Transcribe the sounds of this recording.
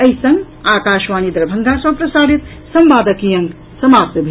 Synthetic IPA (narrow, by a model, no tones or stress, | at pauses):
ɐisɐŋɡ | aːkaːʃʋaːnid̪ɾɐbʱɐŋɡʱasɐ̃pɾɐsaːɾit̪ | sɐmʋaːd̪əkijɐŋɡ | sɐmaːpt̪əbʱi